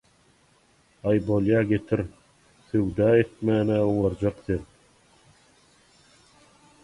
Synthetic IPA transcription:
ɑjbolʲˠjɑɡet̪ʰɪɾ | θøwd̪ɑet̪̚mæːnæuwɑɾd͡ʒɑqθeð

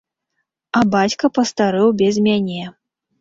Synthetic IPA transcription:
ɐbat͡sʲkɐpɐst̪aɾɨwbʲɛzʲmʲanʲɛ

